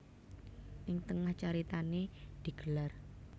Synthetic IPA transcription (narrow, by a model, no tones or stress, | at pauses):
ʔɪŋt̪əŋaht͡ʃaɾit̪aned̪̥i̤ɡ̥əlar